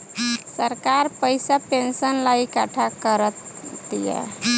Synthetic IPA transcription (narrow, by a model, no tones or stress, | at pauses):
səɾkaɾpəjsapensənlaikaʈʰakəɾət̪ːijɛ̰